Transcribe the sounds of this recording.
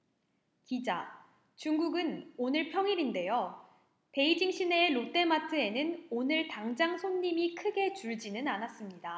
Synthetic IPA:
kid͡ʑa̰ | t͡ɕuŋɡuɡɯnonɯɭpʰjʌŋiɾinde̞jo | pe̞id͡ʑiŋɕ͈ʰineːɾot͈e̞matʰɯe̞nɯnonɯɭtaŋd͡ʑaŋsʰonːimikʰɯɡe̞t͡ɕuɭd͡ʑinɯnanas͈ɯmɲida

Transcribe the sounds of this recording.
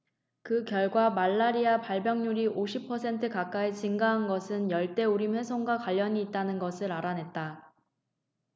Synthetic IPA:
kɯkjʌɭɡwamaɭːaɾiapaɭbjʌŋɲuɾiʔoɕʰipʰʌsʰe̞ntʰɯkak͈aet͡ɕiŋɡaɦanɡʌsʰɯnjʌɭt͈e̞uɾimhe̞sʰoŋɡwakwaʎːʌɲiːt̚t͈anɯnɡʌsʰɯɾaɾanɦe̞t̚t͈a

